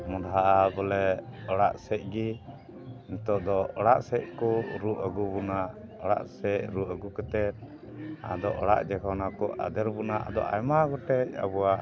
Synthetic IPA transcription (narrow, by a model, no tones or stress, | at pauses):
mɔdɦaʔabɔlɛɔɽaʔsɛc̚ˀɡi | int̪ɔʔd̪ɔɔɽaʔsɛc̚kɔʔɾuʔəɡubunaʔɔɽa̰ʔsɛʔɾuʔəɡukət̪ɛt̪̚ | a̰d̪ɔʔɔɽa̰ʔd͡ʒɛkʰanakɔʔa̰d̪ɛɾbunaʔa̰d̪ɔ̰ʔa̰jmaɡɔʈɛc̚a̰buwaʔ